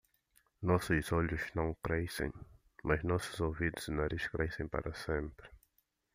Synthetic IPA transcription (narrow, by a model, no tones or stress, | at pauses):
nɔsʊzɔʎuznɐ̃w̃kɾɛsḛ̃j̃ | mɐznɔsuzovid̪ʊz̥inaɾiʃkɾʔɛsẽj̃pɐ̰ɾʔɐsẽmpɾɪ